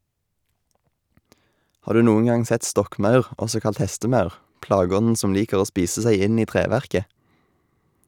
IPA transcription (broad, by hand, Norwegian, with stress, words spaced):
ˈhɑːʁ ˈdʉː ˈnuːən ˈɡɑŋ ˈsɛt ˈstɔkˌmɑʉʁ ˈɔsɔ ˈkɑlt ˈhɛstəˌmɑʉʁ ˈplɑːˌɡɔnn̩ ˈsɔm ˈliːkəʁ ˈoː ˈspiːsə ˈsæɪ ˈɪn ˈiː ˈtʁeːʋæʁkə